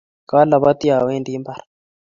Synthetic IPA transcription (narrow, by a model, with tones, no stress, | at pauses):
ka˦la˨βa˦t̪i˦a˨we˦ndi˦mba˨ɾa